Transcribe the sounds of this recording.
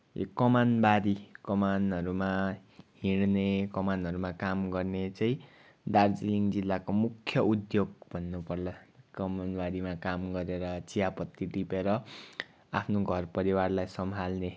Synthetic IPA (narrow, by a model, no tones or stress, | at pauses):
ḛkʌmanbaɾikʌmanʌɾuma | ɦiɽnekʌmanɦʌɾumakamɡʌrnet͡saĩ | d̪ard͡ziliŋd͡zilːakomukʰːjʌud̪joɡ̚bʱʌnːupʌrlakʌmanbaɾimakamɡʌɾeɾʌt͡sijapʌt̪ːiɖipeɾʌ | apʰnoɡʱʌrpʌɾiwarlajsʌmɦalne